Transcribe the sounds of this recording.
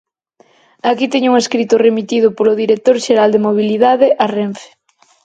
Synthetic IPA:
akit̪ɛɲuŋeskɾit̪ʊremit̪iðʊpolʊðiɾek̚t̪oɾʃeɾald̪emoβ̞iliðaðɪʔareɱfe̥

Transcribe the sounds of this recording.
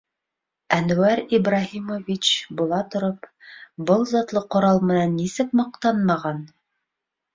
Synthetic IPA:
ænwæɾibrɑhimovʲit͡ɕbulˠɑt̪ŏɾopbɤlˠzɑt̪lˠɤqŏɾɑlˠmɘ̆nænːisɘk̚mɑq̚t̪ɑnmɑʁɑn

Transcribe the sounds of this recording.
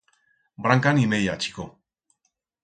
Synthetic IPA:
bɾaŋkanimejat͡ʃi̥ko

